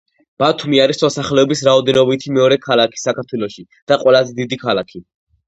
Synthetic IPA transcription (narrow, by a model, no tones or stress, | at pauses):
b̥at̪ʰumiaɾismɔsaχlɛɔbisɾaɔd̪ɛnɔbit̪ʰimɛɔɾɛkʰalˠakʰi̥sakʰaɾt̪ʰwɛlˠɔʃi | d̪̥aqʼwɛlazɛd̪id̪ikʰalakʰi